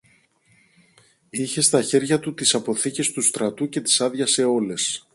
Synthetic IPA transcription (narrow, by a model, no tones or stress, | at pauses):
içe̞st̪ɐçe̞ɾʝɐt̪ut̪isɐpo̞θice̞st̪ust̪ɾɐt̪uce̞t̪i̥sɐðʝɐse̞o̞le̞s